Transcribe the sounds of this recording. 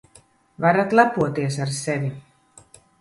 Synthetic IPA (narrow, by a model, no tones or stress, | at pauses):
vaɾat̪lˠapuɔt̪iɛs̬aɾsɛvi